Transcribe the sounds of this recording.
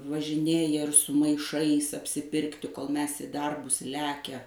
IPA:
ʋɐʒʲɪˈnʲeːjɛ ɪr sʊ mɐɪˈʃɐɪs ɐpʲsʲɪˈpʲɪrktʲɪ koːlˠ ˈmʲɛs ɪ ˈdɐrbʊs ˈlʲæːkʲɛ

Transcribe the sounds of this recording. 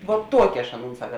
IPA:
ʋoːt ˈtuɔkʲɪ ɐʃ ˈɑːˌnuːn ˈsɑːkɐ

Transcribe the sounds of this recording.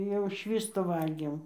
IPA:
jɛʊ ˈʃʲʋʲiːstʊ ˈʋɐlʲɡʲeːm

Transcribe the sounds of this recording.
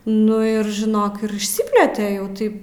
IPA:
ˈnʊ ɪr ʒʲɪˈnoːk ɪr ɪʃʲˈsʲɪpʲlʲeːtʲɛ jɛʊ ˈtɐɪp

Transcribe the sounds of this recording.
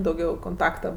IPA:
dɐʊˈɡʲɛʊ koːnˈtɑːktɐ

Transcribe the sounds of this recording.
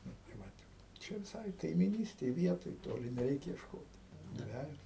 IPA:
ˈnʊ tɐɪ ˈʋɐt ˈt͡ʃʲɛ ʋʲɪˈsɐɪ kɐɪmʲiːˈnʲiːsʲtʲeːj ˈʋʲiɛtoːj ˈtoːlʲɪ nʲɛˈrʲɛɪk iɛʃˈkoːt ˈdʲʋʲæːjoːs

